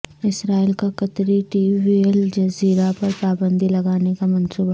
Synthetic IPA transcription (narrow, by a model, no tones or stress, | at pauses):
ɪsɾaːilkakɐt̪ɾiʈiːbield͡ʒɐziːɾapɐɾpaːbə̃nd̪ʱilɐɡaːnekamɐ̃nsuːba